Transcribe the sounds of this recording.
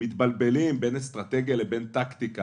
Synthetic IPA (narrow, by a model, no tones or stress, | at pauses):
mit̪balbelimbenest̪ʁat̪eɡjalebɛnt̪akt̪ika